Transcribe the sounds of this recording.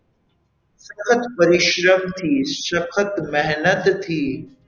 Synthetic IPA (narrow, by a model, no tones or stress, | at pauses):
sɐkʰət̪pɐɾɪʃɾəmt̪ʰiːsɐkʰət̪meɦnət̪ːʰiː